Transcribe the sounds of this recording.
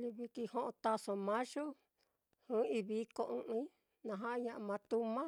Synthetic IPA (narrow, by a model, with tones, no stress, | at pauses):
li˧βi˧ki˧hõ˦ʔõ˧t̪a˧sõ˧mã˦ʒu˦ | hɨ̃˦i˧βi˧˦ko˧ʔɨ̃˧ʔɨ̃˧i˦ | nã˧ɦã˦ʔɲã˧ʔa˧mã˧t̪u˦mã˦